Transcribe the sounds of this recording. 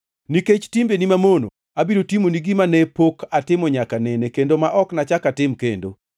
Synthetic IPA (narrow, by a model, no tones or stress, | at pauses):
niket͡ʃtimbenimamono̰ | abiɾotimoniɡimanɛpokʰatɪmɔɲakanɛnekendomaʔɔknat͡ʃakatɪmkḛndo̰